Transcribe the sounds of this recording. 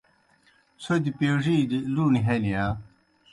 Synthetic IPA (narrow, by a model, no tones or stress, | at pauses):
sod̪ipeʐiːd̪iluniɦenija